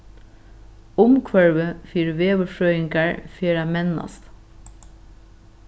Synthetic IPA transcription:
ʊmkʰʋœɹʋəfiːɾʋeːʋəfɹœʏɪŋkæɹfeːɾæmɛnːɑ̰st̪

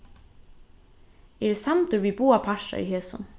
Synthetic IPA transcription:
ɛɾsamt̪ʏɾvibuːapʰaʃa̰ḭɦeːsʊ̰n

